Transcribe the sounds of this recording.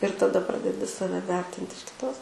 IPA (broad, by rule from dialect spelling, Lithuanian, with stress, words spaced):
ɪr tɐˈdɐ ˈprɑːdʲɛdʲɪ ˈsɑːʋʲɛ ˈʋʲɛrʲtʲɪnt ɪʃ kʲɪˈtoːs